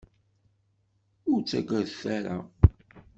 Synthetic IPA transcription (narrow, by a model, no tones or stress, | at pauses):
ʊɾt͡sːæɡʷəɾθæɾa̰